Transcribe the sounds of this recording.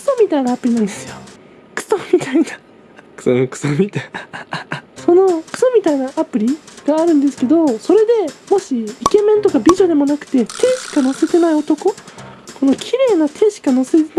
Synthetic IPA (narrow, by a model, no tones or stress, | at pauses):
kɯ̥somʲit̪ainaːpɯ̟ɾʲinãnd̪e̞sɨjo̞ | kɯ̥somʲit̪aina | kɯ̥sokɯ̥somʲit̪a | so̞no̞kɯ̟̥so̞mʲit̪ainaʔapɯ̟ɾʲiɡ̥aːɾɯ̟̃nd̪e̞sɨ̥ke̞d̪o̞so̞ɾe̞d̪e̞mo̞ɕiike̞mẽ̞nt̪o̞kabʲiʑo̞d̪e̞mo̞nakɯ̟̥t̪e̞t̪ʰe̞ːɕi̥kano̞se̞t̪e̞naio̞t̪o̞ko̞ko̞no̞kʲʰiɾe̞ːnat̪ʰe̞ːɕi̥kano̞se̞t̪en